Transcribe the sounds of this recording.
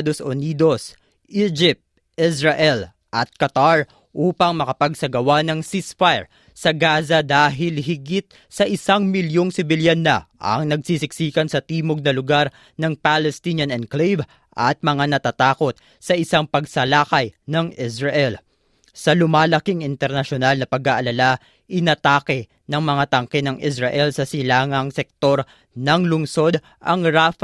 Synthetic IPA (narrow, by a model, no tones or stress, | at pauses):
d̪osʔoniːd̪o̞s | ʔid͡ʒɪp̚t̪̚ | ɪsɹɐʔɛl | ʔɐt̪̚kɐt̪aɹ | ʔuːpɐŋmɐkɐpɐɡ̚sɐɡɐwanɐŋsisfajɹ | sɐɡaːzɐd̪aːɦɪlɦɪɡɪt̪̚ | sɐʔɪsaŋmɪljoŋsɪbɪljanːɐ̰ʔɐ̰ŋnɐɡ̚sisɪksiːkɐnsɐt̪iːmoɡ̚nɐlʊɡaɾ | nɐŋpalɛst̪iɲɐnɛnd̪̚klejv | ʔɐt̪̚mɐŋanɐt̪aːt̪aːko̞t̪̚ | sɐʔɪsaŋpɐɡ̚sɐlaːkɐjnɐŋisɹɐʔɛl | sɐlʊmaːlɐkiŋɪnt̪ɛɾnɐʃonalnɐpɐɡaʔɐlala | ʔɪnɐt̪aːkɛ | nɐŋmɐŋat̪ɐŋkɛnɐŋʔisɹɐʔɛlsɐsɪlaːŋɐŋsɛk̚t̪o̞ɾ | nɐŋlʊŋso̞d̪ | ʔɐ̰ŋɾaf